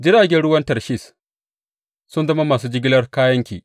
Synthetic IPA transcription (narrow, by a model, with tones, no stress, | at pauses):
d͡ʒɪ˦ɽaː˨ɡʲɛ˦nɽʊ˦wɐ˦ntɐ˨rʃi˦˨s | sʊ˦nzɐ˦ma˦maː˨suː˦d͡ʒɪ˦ɡʲɪ˦lɐ˦rkaː˦jɐ˦ŋkʲḭː˨ʔ